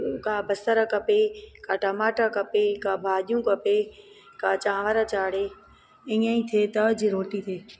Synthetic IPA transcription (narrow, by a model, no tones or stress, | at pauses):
kaːbəst̪əɾakɐpekaːʈəmaːʈakɐpeːkãːbʱaːɗijũkəpe | kaːt͡ʃãːʋəɾat͡ʃaːɽeː | ɪ̃ːãĩːt̪ʰeːt̪əd͡ʑiɾoːʈit̪ʰeː